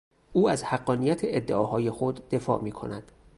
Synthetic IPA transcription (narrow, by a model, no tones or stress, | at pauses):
ʔuːæzhæɡːɒːnijæt̪ʰeʔed̪ːeʔɒːɦɒːje̞xod̪ːe̞fɒ̰ːʔmiːkʰo̞̰næd̪̥